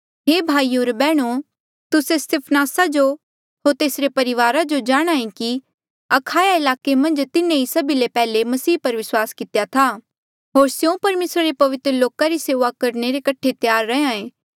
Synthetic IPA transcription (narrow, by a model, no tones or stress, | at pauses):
ɦeːbʱaːioːɾbɛːɽ̃o | t̪ʊsest̪ɪpʰnaːsad͡ʒo | ɦoːɾt̪eːsɾepɐɾɪʋaːɾad͡ʒod͡ʒaːɽ̃aːẽki | ɐkʰaːjaɪlaːkemɐ̃nd͡ʒt̪ɪnẽisɐbilepɛːlemɐsiːpɐɾʋɪswaːskɪt̪ejat̪ʰa | ɦoːɾsjõpɐɾmeːsɾaɾepɐʋɪt̪ɾəloːkaɾiseːʋakɐɾneɾekɐʈʰet̪jaːɾːɐɦãẽː